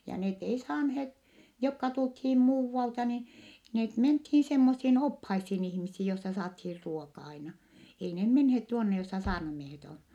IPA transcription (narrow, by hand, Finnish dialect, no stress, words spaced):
jɑ net ei sɑːnheːt jokːɑ tulthiːm muːʋːɑltɑ ni net menthiː semːosːiːn ophɑisːin ihmisːi josːɑ sɑːthiːr ruokɑ ɑinɑ ei ne menhet tuonːe josːɑ sɑːrnɑmiehet on